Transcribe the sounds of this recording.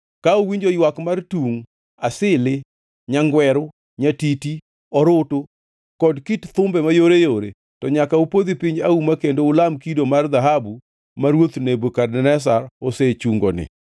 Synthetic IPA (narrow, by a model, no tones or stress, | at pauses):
kaowiɲd͡ʒojwakmartuŋ | asɪlɪ | ɲaŋɡwɛɾʊ | ɲatiti | ɔɾoto | kɔdkitt̪ʊmbɛmajoɾejoɾe | tɔɲakaupod̪ipɪɲaumakendoʊlamkidomard̪aɦabu | maɾwot̪nebokadɛnɛs̬aɾoset͡ʃuŋɡonɪ̰